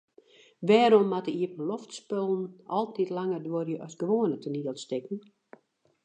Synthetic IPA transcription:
ʋɛːɾɔmːatəiəpən̩lɔftspølˠn̩ɔlˠtitlaŋərdworjəʔɔsɡəʋoːənətəniəlˠstɪkən̩

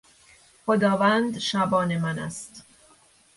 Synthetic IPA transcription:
xod̪ɒːvænd̪ʃæbɒːnemænæ̰st̪

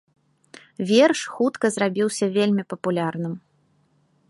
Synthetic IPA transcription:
vʲerʂxut̪kɐzrabʲiwsʲɐvʲelʲmʲipɐpulʲarnɨm

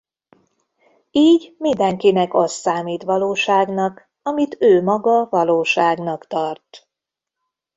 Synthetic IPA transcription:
iːɟmind̪ɛŋkinɛkɒst̪ːaːmiːt̪ʋɒloːʃaːɡnɒk | ɒmit̪øːmɒɡɒvɒloːʃaːɡnɒkt̪ɒrt̪

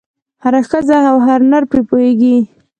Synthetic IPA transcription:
haɾaxəzaawɦaɾnaɾpepoheɡi

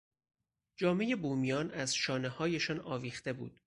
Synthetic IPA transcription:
d͡ʒɒːme̞je̞buːmijɒːnæzʃɒːnehɒːjeʃɒːnɒːviːxt̪e̞bṵːd̪̥

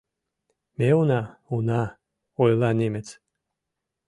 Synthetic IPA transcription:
meunaunɑ | ojlˠɑnʲemet͡s

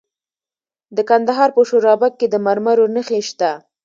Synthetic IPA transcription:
d̪əkand̪aɦɑɾpəʃoɾɑbak̚ːed̪əmaɾmaɾonəxeʃt̪a

